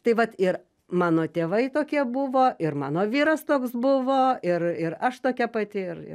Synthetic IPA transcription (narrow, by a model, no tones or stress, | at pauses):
t̪ɐɪʋɐt̪ɪɾ | mɑːnoːt̪ʲeːʋɐɪt̪oːkʲiɛbʊʋoːʔɪɾmɑ̰ːnoːʋʲiːɾɐst̪oːksbʊʋoːɪrɪɾɐʃt̪oːkʲɛpɐt̪ʲɪɪɾɪ̰